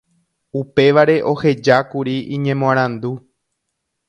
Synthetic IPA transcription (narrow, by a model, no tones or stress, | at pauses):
upe̞ʋaɾe̞ʔo̞he̞d͡ʒakuɾiĩɲẽ̞mõãɾ̃ãnd̪u